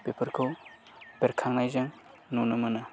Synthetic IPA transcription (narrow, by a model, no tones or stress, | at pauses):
pepʰəɾkʰɯw | b̥eɾkʰaŋnajzaŋ | nonɯmɯnɯ